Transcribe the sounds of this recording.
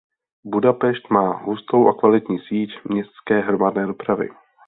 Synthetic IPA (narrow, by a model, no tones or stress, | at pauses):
budapɛʃt̪maːɦust̪o̞wʔakvalɪt̪ɲiːsiːcmɲɛst̪skɛːɦɾo̞madnɛːdopɾavɪ̰